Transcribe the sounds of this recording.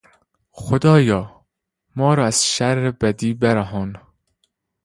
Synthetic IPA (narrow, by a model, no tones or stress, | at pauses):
xod̪ɒːjɒː | mɒːɾɒːæz̥ʃæɾːebæd̪iːbeɾæɦɒːn